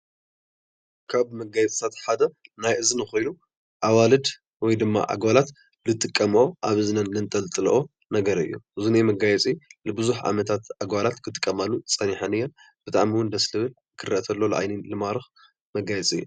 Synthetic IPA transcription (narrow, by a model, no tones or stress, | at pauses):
kʰaβmɐɡajɛt͡sʼɨt̪ʰat̪ħad̪ɐnajʔɨzɨnɨxojnu | ʔawalɨd̪ | wɔjd̪ɨmːa̰ʔa̰ɡwalat̪ | lɨt̪ʼɨkʼːɐmʔoʔaβɨzɨnɐnːɨnt̪ʼɐlt̪ʼɨlʔo | nɐɡɐɾɨ̰jːṵʔɨzunemɐɡajɛt͡sʼilɨbɨzuħʕa̰mɐt̪ʰat̪ʔaɡwalat̪kʰɨt̪ʼɨ̥kʼːɐmalut͡sʼɐniħanɨjːɛn | b̥ɨt̪ʼaʕmiwʊnd̪ɐslɨβɨl | kʰɨrɐt̪ʰɐlːo̞lɐʔa̰jnilɨmaɾɨx | mɐɡajɛt͡sʼɨ̰jːu